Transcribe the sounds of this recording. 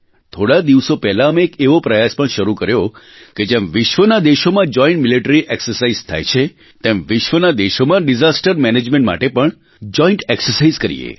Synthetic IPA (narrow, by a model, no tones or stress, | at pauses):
t̪ʰoɽad̪iʋsopɛɦlaəmeːkeʋopɾəjaspəɳʃəɾukəɾjo | ked͡ʒɛ̃mʋɪʃʋənad̪eʃomãd͡ʒɔĩɳʈmiliʈəɾiʔɛksəɾsaizt̪ʰa̰jt͡ʃʰe | t̪ẽmʋɪʃʋənad̪eʃomãɖizasʈəɾmɛned͡ʒmẽɳʈma̰ʈepəɳ | d͡ʒɔiɳʈɛksəɾsaizkəɾḭḛ